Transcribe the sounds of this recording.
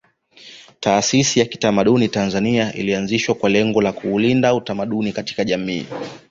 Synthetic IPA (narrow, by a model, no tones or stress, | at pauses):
taːsisijaki̥tamaɗunitanzaniaʔḭlianziʃwakwalɛŋɡɔlakuːlindautamaɗunikati̥kaʄamḭː